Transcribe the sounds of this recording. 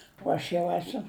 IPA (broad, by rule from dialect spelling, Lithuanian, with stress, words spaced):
oː ˈɐʃ jɛʊ ˈæːsʊ